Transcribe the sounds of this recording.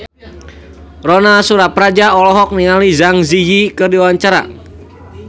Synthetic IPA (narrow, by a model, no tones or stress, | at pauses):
rɔnasuɾapɾad͡ʒaɔlɔɦɔk̚niŋalizaŋzijikɨrdiwwaɲt͡ʃaɾa̰